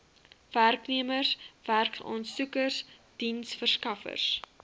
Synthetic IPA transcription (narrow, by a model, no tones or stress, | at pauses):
værkniəmərsv̥ærksɑ̰ːnsukərsd̥insfərskɐfə̰rs